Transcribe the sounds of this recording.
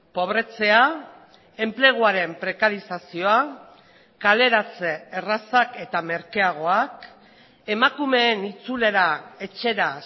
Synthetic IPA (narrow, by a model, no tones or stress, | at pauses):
po̞β̞ɾe̞t͡se̞a | e̞mple̞ɣ̞uaɾe̞mpɾe̞kaɾisasio̞a | kale̞ɾat͡seːrasake̞t̪ame̞ɾkeaɣ̞o̞ak | e̞makume̞ːnit͡sule̞ɾae̞t͡ʃe̞ɾa